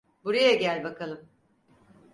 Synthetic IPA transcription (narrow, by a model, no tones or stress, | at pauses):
buɾajaɟælʲbakʰalˠɯm